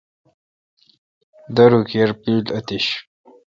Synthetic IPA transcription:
d̪ɐɾukeɾpilɐt̪iɕ

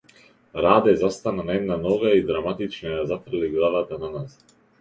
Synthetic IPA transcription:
ɾaːd̪ɛzast̪ananaɛd̪̚nanɔɡaid̪ɾamat̪it͡ʃnajazafr̩liɡlˠavat̪ananas

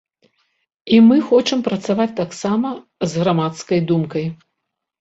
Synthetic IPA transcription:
imɨxɔt͡ʂɨmpɾɐt̪savat͡sʲt̪aksamɐ | zɣɾamat̪skɐjd̪umkɐj

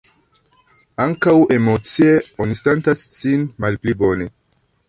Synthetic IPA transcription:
aŋkawemot͡sieonisentasːinmalplibo̞ne

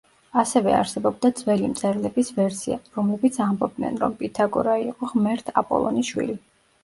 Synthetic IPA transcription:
asɛvɛ̰a̰ɾsɛbɔb̚d̪ad̪zvɛlimt̪sʼɛɾlɛbisvɛɾsiaɾɔmlɛbit̪sʰambɔb̚d̪nɛ̰nɾɔ̰mpʼit̪ʰaɡɔɾaiqʼɔʁmɛɾt̪ʰa̰pʼɔ̰lˠɔ̰niʃwḭli

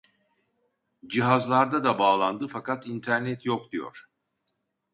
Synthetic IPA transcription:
d͡ʒiɦazlˠaɾd̪ad̪abaːlˠand̪ɯfakat̪int̪ʰæɾnɛt̪ʰjok̚d̪ijo̞̰ɾ̥

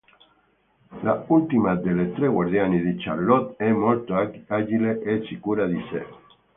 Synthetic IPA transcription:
lault̪imad̪elet̪ɾeɣwaɾðjaniðit͡ʃa̰lot̪emolt̪oaʒileʔet͡ʃikuɾaðisḛ

